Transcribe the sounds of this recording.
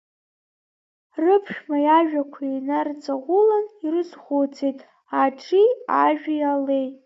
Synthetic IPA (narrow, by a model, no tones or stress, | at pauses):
rɨpʰʃᶣmajaʒᶣakʷʰainart͡sʼaʁʷʊlanirɨzχʷot͡sʰejtʼ | aʈ͡ʂʰʼiaʒᶣʲajale̞jtʼ